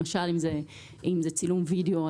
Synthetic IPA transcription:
aʃalimze | imzet͡silumvideo̞

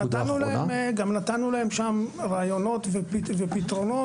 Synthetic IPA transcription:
at̪anulaemɡamnat̪anulahemʃamʁaːjono̞t̪vepitvepit̪ʁo̞no

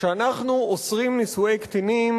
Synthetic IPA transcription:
eanaχnuosʁimnisujejkt̪inim

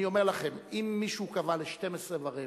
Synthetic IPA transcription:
io̞meʁlaχe̞mimːiʃuːkavaleʃtemesʁevaʁe

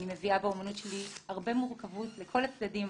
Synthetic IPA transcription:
nime̞viabeomanutʃelihaʁbe̞muʁkavutlekʰo̞lat͡sdadim

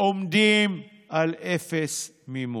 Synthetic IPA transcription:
omd̪im | ʔalʔefes | mimu

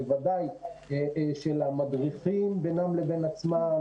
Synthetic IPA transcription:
evad̪aj | ʃelamad̪ʁiχimbenamlebe̞nat͡sma

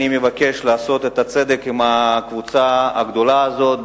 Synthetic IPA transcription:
nimevake̞ʃlaːso̞t̪et̪at͡se̞d̪ekimakvut͡saːɡd̪o̞laːzo̞t̪̚

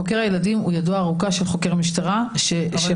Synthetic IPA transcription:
oke̞ʁajeladimujaduaːʁukaʃelχoke̞ʁmiʃt̪aʁaʃeʃe

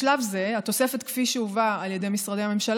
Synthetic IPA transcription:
lavze̞at̪o̞se̞fe̞t̪kfiʃuvaːlje̞d̪e̞jmisʁad̪ehame̞mʃal

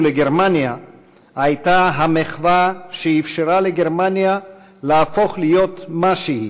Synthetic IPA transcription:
leɡeʁmanja | ajt̪aɦameχvaʃeifʃeʁaleɡeʁmanja | leafo̞χlijo̞t̪maʃehi

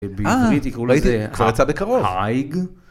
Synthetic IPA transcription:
biait̪ikuʁait̪ikvaʁjat͡sabekaʁovaajɡ

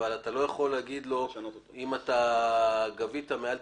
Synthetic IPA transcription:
alat̪alo̞jaχo̞lːeɡid̪lo̞imat̪a | ɡavit̪ameal

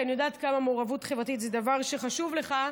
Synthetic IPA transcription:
anijodaːt̪kamameuʁavutχevʁatitzɛd̪avaʁʃe̞χaʃuvle̞χa

